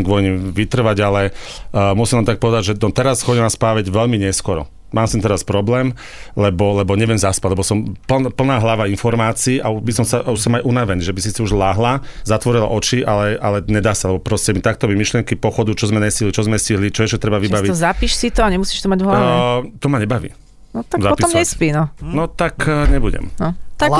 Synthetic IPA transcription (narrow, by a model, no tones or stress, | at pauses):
mɡʋɔjɲiʋit̪r̩ʋaɟalɛmusimʋamt̪ak̚pɔʋɛd̪aɟʒɛnɔt̪ɛɾasxɔɟɛmaspaːʋɛɟʋɛʎmiɲɛskɔɾɔ̰ | maːmst̪ɛmt̪ɛɾaspɾɔblɛːm | lɛbɔlɛbɔɲɛʋɪɛmzaspaɟlɛbɔsɔmplpl̩naːɦlaʋainfɔɾmaːt͡siːʔaubisɔmsaʔusɔmajʔunaʋɛniːʒɛbisisiuʒlaɦlazat̪ʋɔɾila̰ʔɔt͡ʃiʔalɛʔalɛɲɛd̪aːsalɛbɔpɾɔscɛmit̪ak̚t̪ɔʋimiʃlɪɛŋkipɔxɔd̪ut͡ʃɔzmɛɲɛsciɦlit͡ʃɔzmɛsciɦlit͡ʃɔɛʃcɛt̪ɾɛbaʋibaʋit̪zapiʃsit̪ɔaɲɛmusiːʃt̪ɔmaɟɔɦlt̪ɔmaɲɛbaʋḭː | nɔt̪akzapɔpiɔmɲɛspinɔnɔt̪akɲɛbuɟɛ̰mnɔt̪a